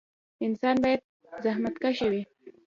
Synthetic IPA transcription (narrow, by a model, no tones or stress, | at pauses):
ɪnsanbajt̪̚ | zahmat̪kaʃawɪ